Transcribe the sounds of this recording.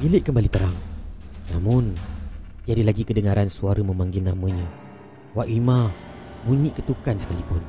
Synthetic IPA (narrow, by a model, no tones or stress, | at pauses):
bilɪʔkəmbalit̪əɾaŋnamʊn | d͡ʒadilaɡikədəŋaɾansuaɾəmə̃mãŋɡɪlnamə̃ɲã | waʔwimã | buɲiʔkət̪ukansə̥kalipʊn